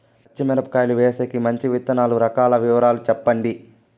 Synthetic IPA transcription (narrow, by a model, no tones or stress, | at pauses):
t͡ʃːimɛɾɐpkaːjluʋeːsekimɐɲt͡ʃiʋit̪ːɐnaːluɾɐkaːlɐʋiʋɐɾaːlut͡ʃɛpːɐɳɖi